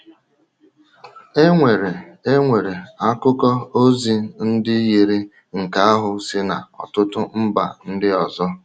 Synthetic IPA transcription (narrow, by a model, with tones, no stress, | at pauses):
e˦ŋʷe˨ɾe˨e˦ŋʷe˨ɾe˨a˦kʊ˦kɔ˦o˦zi˨˦n̩˦dɪ˦ji˨ɾi˦ | ŋ̩˨ka˦a˦ɦʊ˨sɪ˦na̰˨ɔ̰˨tʊ˦tʊ˦m̩˦ba̰˨n̩˦dɪ˦ɔ˨zɔ˦